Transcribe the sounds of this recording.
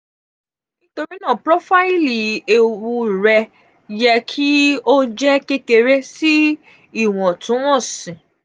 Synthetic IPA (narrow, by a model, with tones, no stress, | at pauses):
nĩ˦to˧ɾi˦nã˦˨pɾɔ˦fa˦i˦li˨e˨wu˧ɾɛ˧ | jɛ˧kʰi˦o˦d͡ʒɛ˦ke˦ke˧ɾe˦si˦ | i˦˨w̃ɔ̃˨tũ˨˦w̃ɔ̃˦˨sĩ˨